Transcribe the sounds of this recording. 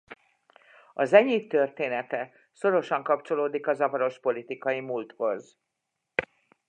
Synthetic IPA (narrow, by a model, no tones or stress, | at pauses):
ɒzɛɲiːt̪ːø̞rt̪eːnɛt̪ɛ | so̞ɾo̞ʃɒŋkɒpt͡ʃo̞loːd̪ikɒzɒvɒɾo̞ʃpo̞lit̪ikɒjimult̪ho̞z